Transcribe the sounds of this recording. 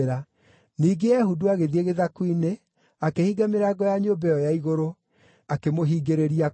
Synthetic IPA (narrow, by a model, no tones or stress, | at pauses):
ɾa | niːɡeɛhuduaɣeðieɣeðakwine | akehiɡameɾaɡɔjaɲoːbɛjɔjaiɣoɾo | akemoɦiːɡeɾeɾia